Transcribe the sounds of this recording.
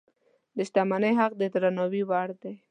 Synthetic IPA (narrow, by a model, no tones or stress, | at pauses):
d̪əʃt̪amanəjɦaq̚d̪ət̪ɾanɔwiwaɽd̪e